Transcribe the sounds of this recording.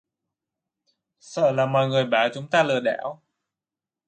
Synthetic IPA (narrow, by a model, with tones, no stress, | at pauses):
sə̰ː˧˨laː˨˩mɔ̰˧˨jŋɨ˨˩əjɓaː˨˩t͡ɕʊ˨˦ŋ͡mt̪aː˧lɨ˨˩əɗɛ˧˥˦w